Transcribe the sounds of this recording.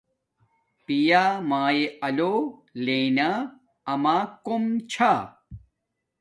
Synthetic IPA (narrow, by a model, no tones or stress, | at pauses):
pijaːmaːjeɐloleːna | ɐmaːkomt͡ɕʰa